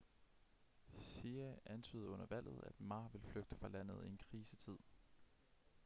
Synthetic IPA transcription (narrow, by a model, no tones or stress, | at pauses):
siæʔænt͡sʰy̰ːð̞̩ˠɔ̽n̰ɐʋæl̰ð̞̩ˠæd̥mɑ̈ːʋe̝lfløɡ̥̚d̥ə̥fʁɑ̈læn̰ð̞̩ˠie̝nkʰʁiːsət͡sʰið̞̰ˠ